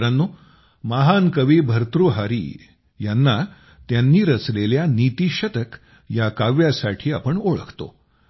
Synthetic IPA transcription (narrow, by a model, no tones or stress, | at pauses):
ɾanːu | maɦankəʋiːbʱəɾt̪ɾuɦaɾḭ | janːa | t̪janːiːɾət͡sleljanit̪iɕət̪ək | jakaʋjasaʈʰiːa̰pəɳoɭə̰kʰt̪o̰